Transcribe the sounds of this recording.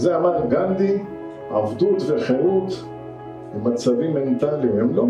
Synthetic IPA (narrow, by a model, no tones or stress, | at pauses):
zeamad̪ɡand̪i | a̰vd̪ut̪veχeʁut̪ | emːat͡savimːe̞nt̪alimhemlo